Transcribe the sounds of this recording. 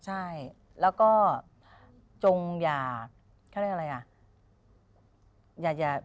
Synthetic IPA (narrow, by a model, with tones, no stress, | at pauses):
t͡ɕʰa˥˩j | lɛː˦˥wkɔː˥˩ | t͡ɕo˧ŋjaː˨˩ | kʰa˥˩ɾʔɾa˧jʔa˨˩ | jaː˨˩k̚t͡ɕaː˨˩